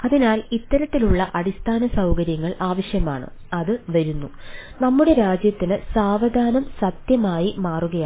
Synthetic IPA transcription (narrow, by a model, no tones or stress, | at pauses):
ɐðinaːlit̪ːɐɾɐt̪ːiluɭːɐʔɐɽist̪ʰaːnɐsɐwkɐɾjɐŋːɐɭaːʋɐɕjɐmaːɳɨ̰ | ɐðɨʋɐɾunːunɐmːuɽe̞ɾaːd͡ʑjɐt̪ːinɨsaːʋɐd̪ʱaːnɐmsɐt̪jɐmaːjimaːruɣɐja